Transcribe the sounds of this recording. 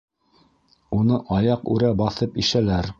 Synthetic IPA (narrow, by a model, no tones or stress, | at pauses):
unɤʔɑjɑqʉ̰ɾæbɑθɤpiʃælæɾ